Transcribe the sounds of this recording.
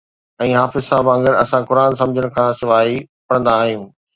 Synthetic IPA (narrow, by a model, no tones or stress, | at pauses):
ɛ̃ːɦaːfɪzsaːbɐ̃ŋɡəɾɐsãkʊɾaːnsɐ̃md͡ʑʱəɽ̃ʊ̆kʰãːsɪʋaːɦipɐɽ̃ə̃nd̪aːɦĩjũː